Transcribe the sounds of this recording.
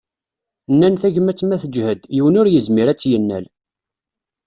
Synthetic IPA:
nːænθæʝəmæt͡sːmæθəd͡ʒhəd̪jiwənʊɾjəzmiɾæt͡sːjənːæ̰l

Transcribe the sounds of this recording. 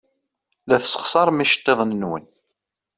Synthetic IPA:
læθsə̥χsˤɑɾˤmiʃə̥t̪ˤːeðˤnnwə̰n

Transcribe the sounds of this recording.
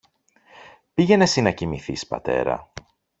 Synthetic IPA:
piʝe̞ne̞sinɐcimiθḭspɐ̰t̪e̞̰ɾɐ̰

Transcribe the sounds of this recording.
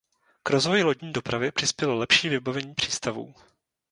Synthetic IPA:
kɾo̞zvo̞jɪlo̞ɟɲiːdo̞pɾavɪpr̥ɪspjɛlolɛpʃiːvɪbavɛɲiːpr̝̥iːst̪avṵː

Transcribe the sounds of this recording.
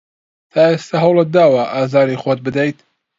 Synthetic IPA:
t̪ʰaːest̪aɦɐwlɐd̪aːwɐʔaːzaːɾixot̪̚bɨd̪ɛjt̪

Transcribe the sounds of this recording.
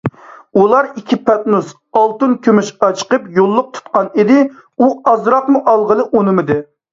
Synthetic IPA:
ulˠɑɾikʲʰipʰɑt̪nus | ɑlˠt̪ɨnkʲʰømyʃɑt͡ʃʰqəpjolˠːʊq̚t̪ʰu̥t̪qɑnid̪ɪ | uɑzɾɑqmuʔɑlˠʁəlˠɨʔonɨmɨd̪ɨ

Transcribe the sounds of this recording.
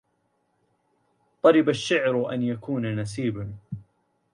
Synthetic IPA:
t̪ˤɑɾɪbaʃːɪʕɾʔanjakuːnanasiːban

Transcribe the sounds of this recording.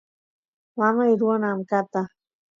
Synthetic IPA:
mamajɾuanamkat̪a

